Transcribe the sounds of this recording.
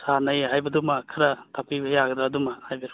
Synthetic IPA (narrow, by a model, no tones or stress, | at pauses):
sanɐjɦajbɐdumɐkʰaɾɐtʰapʰibɐjaɡɐdaːdumɐhajbɐɾ